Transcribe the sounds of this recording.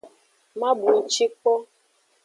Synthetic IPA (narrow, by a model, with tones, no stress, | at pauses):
ma˦bu˨˦t͡ʃi˦k͡pɔ˦